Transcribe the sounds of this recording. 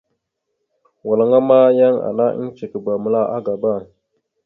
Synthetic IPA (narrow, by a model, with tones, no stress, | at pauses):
wa˨la˨ŋa˦ma˦ja˦ŋa̰˨na˦ʔt͡ʃe˨kə˨ba˨mə˨la˦˨ʔa˦ɡa˨ba˦˨ŋ